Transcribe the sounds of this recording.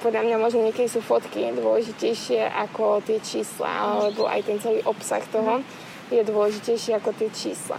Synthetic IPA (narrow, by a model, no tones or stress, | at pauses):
pɔd̪lʎamɲamɔʒnɔɲɪɛkɛd̪isuːfɔt̪kid̪ʊɔlɛʒicɛjʃɪɛʔakɔt̪ɪɛt͡ʃiːsla̰aalɛbɔ̰ʔa̰jt̪ɛnt͡sɛliːʔɔpsa̰xt̪ɔɦɔ | jɛd̪ʊɔlɛʒicɛjʃɪɛakɔt̪ɪɛt͡ʃḭːsla̰